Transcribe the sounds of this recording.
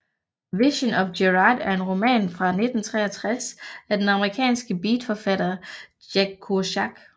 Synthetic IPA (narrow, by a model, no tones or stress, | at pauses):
ʋiɕənɒ̽fɡeʁɑd̥æɐe̝nʁo̝mɛ̰ːnfʁɑ̈ne̝d̥n̩t͡sʰʁɛ̰ːɐt͡sʰʁasæd̥enɑ̈məʁikʰɛ̰ːnsɡ̥əbiːd̥fɒfæɾ̥ɐː | eɡ̥ʰuɕɑɡ̥